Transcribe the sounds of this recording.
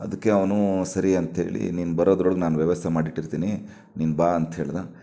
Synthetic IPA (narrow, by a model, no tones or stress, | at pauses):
ɐd̪ɐkːe̞ɐʋnusɐɾiɐnt̪ɦe̞̰ːɭḭniːnubɐɾoːd̪ɾoːɭɡnaːnuʋjɐʋɐst̪ʰemaːɖiʈːiɾt̪iːni | niːnbaːɐnt̪ɦeːɭd̪a